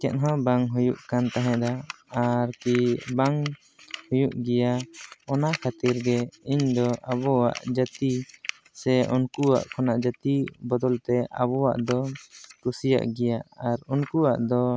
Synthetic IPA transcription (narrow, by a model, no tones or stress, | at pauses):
kɛt̪̚ɦɔ̃baŋɦujuʔkant̪aɦɛ̃ʔd̪aː | ɾkibaŋ | hujuʔɡɛjaɔnaʔkʰat̪iɾɡɛiɲd̪ɔʔabɔwa̰ʔd͡ʒat̪i | sɛʔɔnkuwa̰ʔkʰɔnaʔd͡ʒat̪ibɔd̪ɔlt̪ɛʔa̰βɔwa̰ʔd̪ɔkɾusija̰ʔɡɛjaʔaɾɔnkuwa̰ʔd̪ɔ